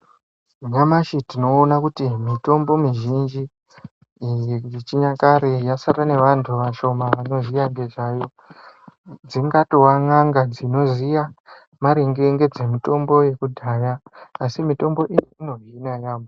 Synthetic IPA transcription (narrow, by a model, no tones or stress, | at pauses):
ɲamaʃitino̞ːnakutimito̞mbo̞miʒind͡ʒi | jeit͡ʃiɲakaɾejasaɾane̞ʋantʰuʋaʃo̞maʋano̞zijaŋɡe̞ʐaːjo̞ | d͡ziŋɡatowaŋaŋɡad͡zino̞zija | maɾeŋɡe̞ŋɡe̞d͡ze̞mito̞mbo̞je̞kudʱajaːsimito̞mbo̞ʔijiino̞ɦinajaːmo